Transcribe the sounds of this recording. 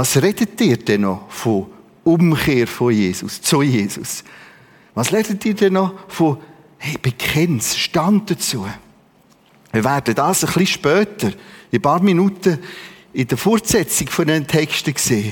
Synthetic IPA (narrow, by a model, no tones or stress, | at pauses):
vɑːsrɛdətɪːɾd̥ɛnɔfo | ʊmχeːɾfojeːsʊ̰st͡sʊjeːsʊ̰s | vɑːsɾɛdətːɪːɾdɛnːɔfo | hɛɪb̥ekʰχɛnsʃtɑnt̚dət͡suə | ɪvɛɾdədɑːsəχliʃpœːtəɾɪpɑːɾminutəɪdəfɔɾtsɛt͡sɪɡfodɛnətʰɛkʃtəkseː